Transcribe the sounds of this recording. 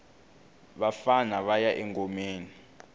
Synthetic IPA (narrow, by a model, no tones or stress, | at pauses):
ɓafanaɓajaʔɛŋɡɔmeːni